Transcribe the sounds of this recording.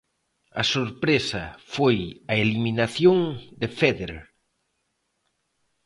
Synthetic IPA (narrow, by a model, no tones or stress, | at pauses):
ɐsoɾpɾesɐfojɐeliminaθjoŋd̪ɪfɛðeɾ